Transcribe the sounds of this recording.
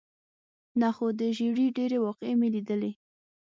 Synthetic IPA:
naxod̪əʒiɽiɖeɾewɑqemelid̪əle

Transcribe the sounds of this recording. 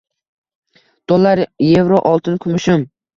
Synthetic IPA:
d̪̥ʰolˠːaɾje̞vɾoʔɒlˠt̪ʰɪnkʰʊmɪʃʊm

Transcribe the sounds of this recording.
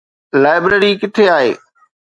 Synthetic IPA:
laːɪbɾeɾikɪt̪ʰeaːɦḛː

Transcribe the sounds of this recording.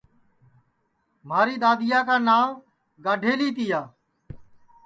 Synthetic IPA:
m̤aːɾiːɗ̪aːd̪ɪjaːkaːnaːʋ | ɡaːɖʱeːliːt̪iːjaː

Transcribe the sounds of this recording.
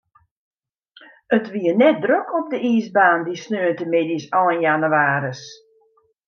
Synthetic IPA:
ətʋiənɛt̚drøkʰɔp̚dəiːsbaːndisnøːəntəmɪdisɔlənjanuwaːɾəs

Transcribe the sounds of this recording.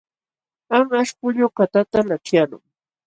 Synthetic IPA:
aŋaʃkʊʎokat̪at̪alaʈ͡ʂjalʊ̰ŋ

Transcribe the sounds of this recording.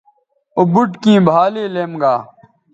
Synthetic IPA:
obuʈkĩːbʱaːleːleːmɡaː

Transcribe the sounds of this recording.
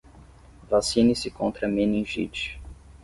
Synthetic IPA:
vasĩnɪsɪkõnt̪ɾɐmenĩʒḭt͡ʃ

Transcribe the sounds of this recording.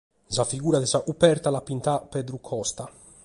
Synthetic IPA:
safiɡuːɾad̪ɛzaʔupɛɾt̪alapint̪apːɛd̪ɾukʰɔst̪a

